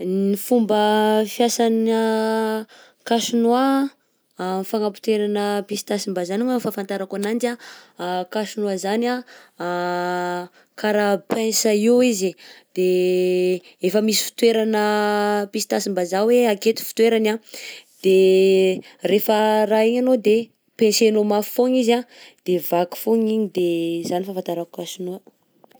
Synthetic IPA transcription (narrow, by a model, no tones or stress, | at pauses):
nifumbəfjasana | kaʃinua | faŋapu̥t̪eɾanəpisi̥t̪asimbazanuŋafafant̪aɾakanand͡ʒa | kaʃinuazana | kaɾapẽsaiwizid̪̥e | efəmisi̥fi̥t̪weɾanəpisi̥t̪asimbazaweaket̪i̥fi̥t̪weɾanad̪̥e | refəraiɲanod̪e | pẽnsenomafoŋizad̪̥evaki̥foɲiɲid̪ezanifafant̪aɾaku̥kasinuə